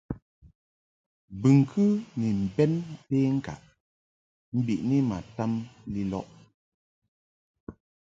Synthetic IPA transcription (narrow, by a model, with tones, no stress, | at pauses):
bɨ˨ŋ˨kʰɨ˦ni˨m̩˨bɛ˦npeː˦ŋ̩˦˨ka̰˨ʔ | m̩˦bi˨ʔni˦ma̰˨ta˦mli˦lɔ̰˦ʔ